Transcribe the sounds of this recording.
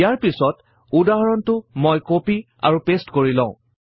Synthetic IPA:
jaɹpisɔt | udaɦɔɹɔntʊmojkopi | a̰ɹupestkoɹilɔ̰̃ʊ̃

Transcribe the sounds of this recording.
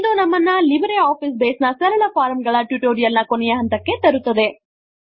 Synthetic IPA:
d̪unɐmːɐnːɐlibɐɾeaːpis̬beːsnɐsɐɾɐɭɐpʰaːɾɐmɡɐɭɐʈjuʈoːɾijɐlnɐkonɛjɐɦɐnt̪ɐkːe̞t̪ɐɾut̪ːɐd̪e̞

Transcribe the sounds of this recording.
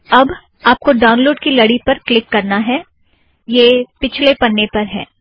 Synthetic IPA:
ɐb | aːp̚koɖaːʊ̃nloːɖkilɐɽipɐɾklɪkːɐɾnaɦɛ | jeːpɪt͡ʃʰlepɐnːepɐɾɦɛː

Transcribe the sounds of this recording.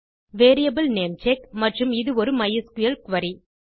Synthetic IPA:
ʋeːɾijɐbɯlneːmt͡ʃekmɐʈrɯmɪðɯɔɾɯmɐjɐskʊjɐlkʋɐɾi

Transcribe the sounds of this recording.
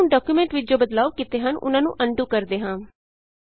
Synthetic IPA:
ũːɖɔːkjuːmɛ̃ɳʈʋɪd͡ʒoːbəd̪laːʋkɪt̪eːɦənʊ̰nãːnṵ̃ːʔəɳɖũːkəɾd̪eːɦãː

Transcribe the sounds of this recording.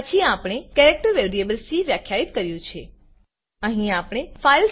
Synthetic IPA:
ət͡ʃʰiapɽ̃ekɛɾek̚ʈəɾʋeɾiebəlsiʋjakʰːjait̪kəɾjũt͡ʃʰe | əɦĩapɽ̃efail

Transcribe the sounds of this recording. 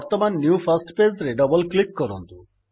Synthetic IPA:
ɔɾt̪ɔmanːjupʰɐsʈped͡ʒɾeɖʌbɔlklikːɔɾɔnt̪u

